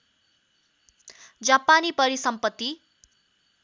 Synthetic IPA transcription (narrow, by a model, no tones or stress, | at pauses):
d͡zapanipʌɾisʌmpʌt̪ːi